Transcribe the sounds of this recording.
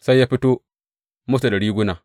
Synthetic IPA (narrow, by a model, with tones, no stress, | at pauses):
sa˦i˦ja˦pi˦tu˦ | mu˦fta˨da˨ɾi˦ɡu˦na˨